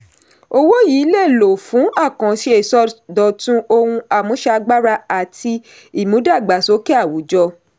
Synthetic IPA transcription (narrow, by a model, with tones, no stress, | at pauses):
o˧wo˦jiː˨˦le˦˨lo˨fũ˨˦a˦˨kã˨ʃi˦e˦˨sɔ˦dɔ˨tũ˦ʔo˧hũ˧a˨mũ˨˦ʃa˧˦ɡ͡ba˦ɾa˧a˨ti˧ | i˦˨mũ˨˦da˦˨ɡ͡ba˨so˨˦ke˦a˦˨wu˨˦d͡ʒɔ˧